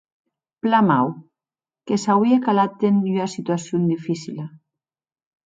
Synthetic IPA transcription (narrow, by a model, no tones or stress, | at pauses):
plamaw | kesawiekalat̪̚ːenasit̪uasjond̪ifisila